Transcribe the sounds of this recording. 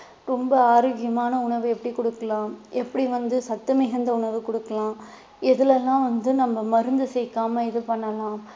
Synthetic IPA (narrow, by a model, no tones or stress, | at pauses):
ɾɔmbɐaːɾɐːɣɪjɐmaːnɐʊɳɐʋɯɛpːɐɽikɔɽɯkːɐlãːʔɛpːɐɽiʋɐnd̪ɯsɐt̪ːɯmɪɣɐnd̪ɐʊɳɐʋɯkɔɽɯkːɐlãː | ɪðɪlɛlːãːʋɐnd̪ɯnɐmːɐmɐɾɯnd̪ɯsɛjkːaːmɐɪðɯpɐɳːɐlãː